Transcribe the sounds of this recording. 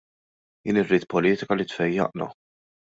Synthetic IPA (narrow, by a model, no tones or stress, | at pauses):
jɪːnɪrːiːt̪pɔliːt̪ɪkɐlɪt̪fɛjːɐ̰ʔnɐ̰